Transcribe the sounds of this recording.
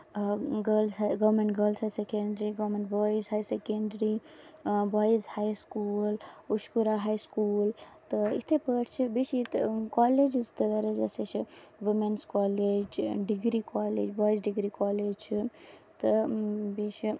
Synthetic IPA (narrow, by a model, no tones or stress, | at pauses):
ɡəlsɡəʋmeɳʈɡəlsɦasekeɳɖɾiɡɔmeɳʈbɔizɦajsekeɳɖɾi | bɔizhajskuluskuɾaɦajskult̪əḭt̪ʰepəʈʰt͡ʃʰibeʃit̪kɔled͡ʒzt̪əʋeɾed͡ʒeset͡ʃʰiʋimenskɔled͡ʒɖiɡɾikɔlḛd͡ʒbɔjsɖiɡɾikɔled͡ʒt͡ʃʰit̪əbesi